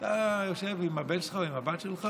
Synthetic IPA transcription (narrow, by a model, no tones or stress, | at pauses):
t̪ajoʃevimabetʃlχaoimabat̪ʃelχa